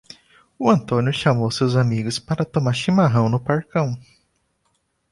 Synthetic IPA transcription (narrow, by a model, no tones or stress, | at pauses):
ʊɐ̃nt̪õnjʊʃamowsewzamiɡʊspaɾɐt̪omaɾʃimaɦɐ̃w̃nʊpaɾkɐ̃w̃